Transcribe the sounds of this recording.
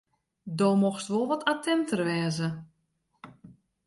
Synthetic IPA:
doːmoxstʋolˠʋɔtʰatʰɛntərʋɛːzə

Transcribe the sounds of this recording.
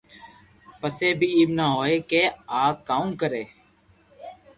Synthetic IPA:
pəseːbʱiːiːbnaːɦoːeːkeːaːk̪̚kaːũːkəɾeː

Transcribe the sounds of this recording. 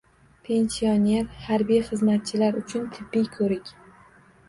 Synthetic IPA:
pʰe̞nsione̞ɾhaɾbijχɨzmat̪̚t͡ʃʰɪlaɾʊt͡ʃʰʊnt̪ʰɪbːijkʰɵɾɪkʲ

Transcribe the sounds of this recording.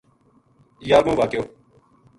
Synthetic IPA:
jaːɾmũːʋaːkjoː

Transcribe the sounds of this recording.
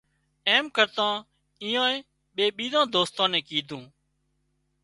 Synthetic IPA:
eːmkəɾt̪ãː | iːãːeː | ɓeːɓiːd̪ãːd̪oːst̪ãːnẽːkiːd̪ʱũː

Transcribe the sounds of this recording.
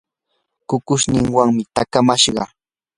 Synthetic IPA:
kʊkʊʃnɪŋwaŋmɪt̪akamaʃɢɑ̰

